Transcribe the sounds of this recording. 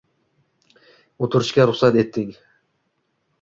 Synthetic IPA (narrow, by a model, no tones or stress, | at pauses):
ot̪ʰʊɾɪʃkʲaɾʊχsat̪e̞t̪ːɪŋ